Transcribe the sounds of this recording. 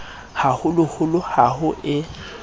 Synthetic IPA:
hahʊlʊhʊlʊhahʊʔɪ

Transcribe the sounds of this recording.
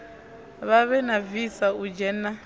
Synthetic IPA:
βaβɛnavisaud͡ʒɛna

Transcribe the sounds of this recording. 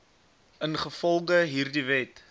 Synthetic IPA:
ənχəfɔlˠɡəɦiːrdivɛt

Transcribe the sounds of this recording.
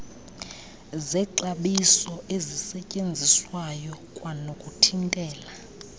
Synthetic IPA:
zɛǃaɓisɔʔezisɛcʼend͡zʱiswajɔkʼwanokʼutʰiŋkʼɛːla

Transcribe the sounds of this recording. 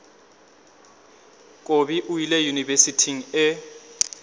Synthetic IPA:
kʼobiʔuilɛjunivesitʰiŋ̩ɛ

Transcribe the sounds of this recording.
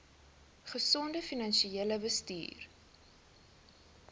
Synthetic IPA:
χəsɔndəfinɐnʃieːləvəstḭːr

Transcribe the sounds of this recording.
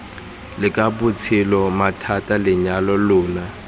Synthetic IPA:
lɪkʼabut͡sʰilɔmatʰatʼalɪɲalɔlʊːna

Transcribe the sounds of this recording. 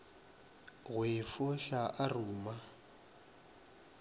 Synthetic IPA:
ɣwɪfʊɬaʔaruːma

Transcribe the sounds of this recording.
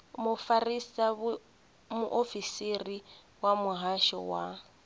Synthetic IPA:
mʊfarisab | mʊʔofisiri | wamʊɦaʃɔ̰wa

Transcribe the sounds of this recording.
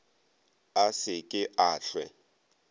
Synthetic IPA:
asɪkʼɪʔaːɬwɛ

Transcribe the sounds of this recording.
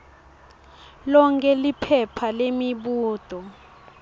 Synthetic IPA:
lɔŋkʰʼɛlipʰɛpʰalemiɓuːd̥ʱɔ

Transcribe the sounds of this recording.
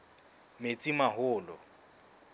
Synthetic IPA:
met͡sʼimaɦʊːlɔ

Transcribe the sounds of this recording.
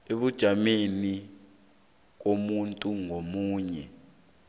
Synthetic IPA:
eɓud̥ʒ̥ʱameni | k̬omuntʼuŋomuːɲɛ

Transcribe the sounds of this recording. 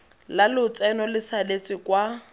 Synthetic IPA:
lalʊt͡sʼɛnɔlɪsalet͡sʼɪkwa

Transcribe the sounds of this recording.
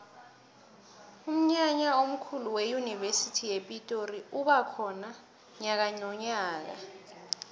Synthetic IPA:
um̩ɲaɲaom̩kʰuluwejunivesitʰijepʼitʼoriuɓakʰɔna | ɲak̬aɲɔɲaːk̬a̰

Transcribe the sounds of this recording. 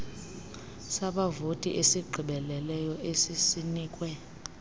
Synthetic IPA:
saɓavotʼiʔesiɡ͡ǃʱiɓɛlɛlɛjɔʔesisiniːkʼwɛ

